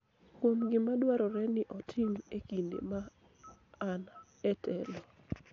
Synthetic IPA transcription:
kwomɡɪmadwaɾɔɾɛnɪʔɔtʰɪmekindḛmaː | n | ɛtɛlɔ

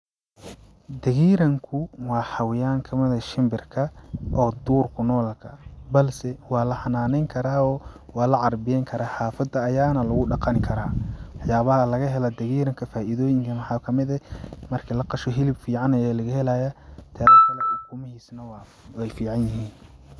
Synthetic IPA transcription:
d̪ɐɣiːɾɐŋkʰʊwɑːħɑwɪjaːŋkʰɐmɐðɐʃɪmbɪrkʰɐʔɔːd̪uːrkʰʊnɔːlkʰɐbɐlsɛwɑːlɐħɑnaːnɛjŋkʰɐɾaːɔːwɑːlɐʕɑrbɪjɛŋkʰɐɾaːħaːfɐd̪ɐːjaːnɐlʊɣʊɖɑqɑnkʰɐɾaːwɑħjaːβɐɦɐlɐɣɐɦɛlɐd̪ɐɣiːɾɐŋkʰɐfaːʔɪðɔːjɪŋkʰɐmɑħɑːkʰɐmɪðɐmɐrkʰɪlɐqɑʃɔɦɪlɪbfiːʕɑnɐjɔlɐɣɐhɛlajɐt̪ʰɛɾkɐlɐħʊkʊmɐhiːsnɐw | wɛjfiːʕɑnjɪɦiːn

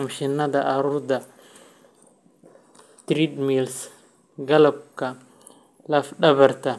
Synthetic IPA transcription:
ʊmʃɪnːɐðɐʔɑɾuːrd̪ɐ | t̪ɾiːd̪mils | ɡɐlɐb̚kʰɐ | lɐfɖɐβɐrt̪ʰɐ

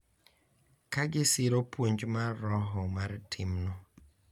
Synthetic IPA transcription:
kaɡɪsɪɾopwoɲd͡ʒmarːɔɦɔmartʰɪmnɔ

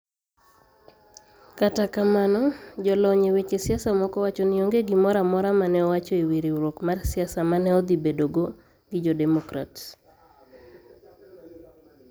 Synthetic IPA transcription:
katakamanɔd͡ʒɔlɔɲewet͡ʃesjasamɔkɔwat͡ʃɔnioŋɡeɡimɔɾamɔɾamanɛɔwat͡ʃɔiwiɾiɾokmarsɪasamanɛɔd̪ibedoɡo | ɡɪd͡ʒɔdɛmɔkɾa̰ts

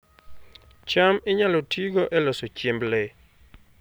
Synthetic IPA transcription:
t͡ʃamɪɲalɔtʰiɡɔʔɛlɔsot͡ʃemble

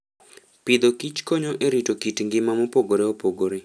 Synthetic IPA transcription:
pid̪okit͡ʃkoɲoʔeɾitokitŋɡɪmamopoɡoɾeopoɡoɾe

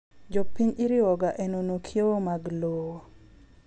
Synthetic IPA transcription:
d͡ʒɔpːiɲɪɾɪwɔɡaʔenonokʰjoomaɡloo

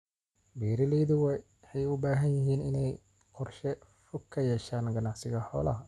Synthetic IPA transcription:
biːɾɪlɛːðʊwɛ | ħɛjʊbaːɦɐnjɪɦiːnɪnɛj | qɔrʃɛ | fʊkʰːɐjɛʃaːnɡɐnaʕsɪɣɐħɔːlɐɦɐ

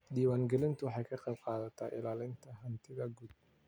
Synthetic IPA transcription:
d̪iːwaːŋɡɛlɪnt̪ʊwħajkʰɐqʼɛbqʼɑːðɐt̪ʰːaːʔɪlaːlɪnt̪ʰɐɦɐnt̪ʰɪðɐɡud̪̚

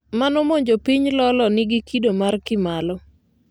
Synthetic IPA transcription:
manɔmoɲd͡ʒopiɲlɔlɔnɪɡikidomarkɪmalɔ

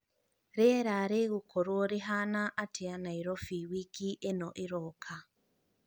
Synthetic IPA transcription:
ɾeɾaɾeɣukʰoɾwoɾiɦanaʔːtʰeanaiɾɔfiwikiʔenɔʔiɾɔkʰa

